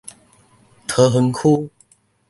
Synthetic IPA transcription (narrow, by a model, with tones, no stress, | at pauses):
t̪ʰə˧˦ɦə˧˦nkʰu˦